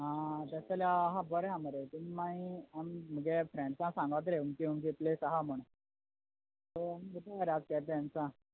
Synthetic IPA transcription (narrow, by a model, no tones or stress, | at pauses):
ɦãt̪əsalaːɦãbəɾɦãməɾet̪uimaĩamm̤əɡefɾẽɳɖsãsãŋɡʋət̪̬ɾeumkiumkeplesaɦam̤əɽ̃e | t̪əamikiʈ̪ʰaaɾad͡zkɛpansã